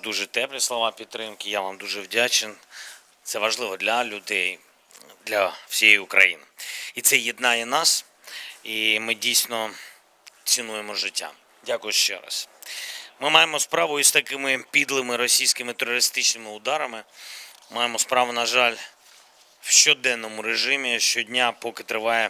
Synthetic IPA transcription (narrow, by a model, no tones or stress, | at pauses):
d̪uʒɛt̪ɛplʲislˠɔʋɑpʲid̪ɾɪmkɪjaʋamd̪uʒɛwdʲat͡ʃen | t̪sɛʋɐʒlˠɪʋɔd̪lʲɐlʲʊd̪ɛj | d̪lʲɐw̥sʲijɛjʊkɾɐ̰jḭnit̪sɛjid̪nɑjɛnɑs | imɪdʲijsʲnɔ | t̪t͡s̪ʲinujemɔʒɪtʲːa̰ | dʲakʊjʊʃt͡ʃɛ̰ɾɑ̰s | mɪmɑjemɔspɾɑʋʊist̪ɐkɪmɪpʲid̪lˠɪmɪɾɔsʲijsʲkɪmɪt̪erɔɾɪst̪ɪt͡ʃnɪmɪʊd̪ɑɾɐmɪmɑjemɔspɾɑʋʊnɐʒɑlʲ | wʃt͡ʃɔd̪ɛnːɔmʊɾeʒɪmʲiʃt͡ʃɔdʲnʲapɔkɪt̪ɾɪʋɑjɛ